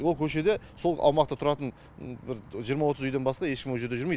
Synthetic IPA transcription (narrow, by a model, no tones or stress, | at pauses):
wo̞lˠkʲʰɵʃe̞d̪e̞so̞lˠɑ̰wmɑq̚t̪ɑt̪ʰʊɾɑt̪ən | bɪɾʒijəɾmɑwo̞t̪əzʏjd̪e̞nbɑsqɑje̞ʃkʲɪmwoʒed̪e̞ʒʏɾmej